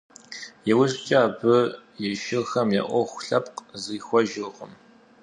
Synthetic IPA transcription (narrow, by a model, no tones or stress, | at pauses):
jɛwʊɕʼt͡ʃʼaːbɨjɛʃɪxɐmja̰ʔʷɔxʷɬɐpqzɨːxʷɔʒɪʁəm